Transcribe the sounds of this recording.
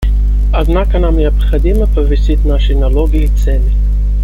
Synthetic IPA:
ɐd̪nakənamnʲɪɐpxɐdʲiməpəvʲɪsʲitʲnaʂɨnɐlˠoɡʲɪt̪sɛnʲɪ

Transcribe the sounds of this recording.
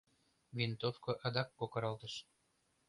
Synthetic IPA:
vint̪ofkoʔɑd̪ɑkːokɤ̆ɾɑlt̪ɤ̆ʃ

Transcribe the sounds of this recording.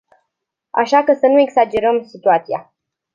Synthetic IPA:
a̰ʃakəsənue̞kɡsad͡ʒe̞ɾəmsit̪uat̪sija̰

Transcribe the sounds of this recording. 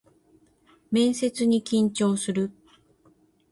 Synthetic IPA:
mẽ̞ɰ̃se̞t͡sɨɲ̟ikʲĩɲt͡ɕo̞ːsɨɾɯ̟

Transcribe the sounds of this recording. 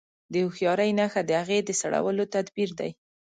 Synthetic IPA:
d̪əʊxjɑɾajnaxad̪əhaɣed̪əsaɽa̰wəlot̪ad̪biɾd̪a̰j

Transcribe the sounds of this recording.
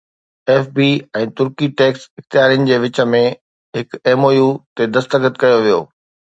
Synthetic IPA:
eːfbiːɛ̃ːt̪ʊɾkiʈeːksɪxt̪jaːɾiʊnɪ̆d͡ʑeːʋɪt͡ɕə̆mẽ | ɦɪkeːmoːjut̪ed̪ɐst̪əɡət̪kɐjoʋijo̰ː

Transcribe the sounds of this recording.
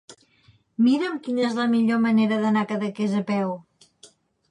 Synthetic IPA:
miɾəmkinezləmiʎoməneɾəðənakəðəkezəpɛw

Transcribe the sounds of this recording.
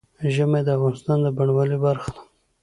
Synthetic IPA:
ʒəmed̪əafɣɑnɪst̪ɑnd̪əbaɳwalibaɾxad̪ḁm

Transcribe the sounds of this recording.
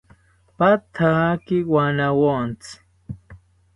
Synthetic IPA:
pat̪ʰakiwanawont͡si̥

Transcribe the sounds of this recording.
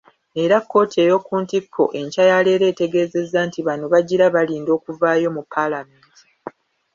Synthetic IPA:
e̞ɾakːo̞ːtʰie̞ːjo̞kuːntikʰːo̞̰ʔe̞ɲcajale̞ːɾe̞ːte̞ɡe̞ːze̞zːantiβanoβaɟiɾaβaliːndo̞ːkuvaːjo̞mupʰːalameːnti̥

